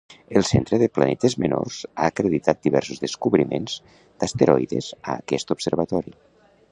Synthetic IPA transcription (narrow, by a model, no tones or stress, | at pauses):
əlˠsent̪ɾəðəpla̰nɛt̪əzmeno̰rz̥aːkɾeðit̪at̪̚d̪iβɛɾsuzðeskuβɾimenz̥ | d̪̥ast̪eɾɔjðezaːkɛst̪upseɾβat̪ɔɾi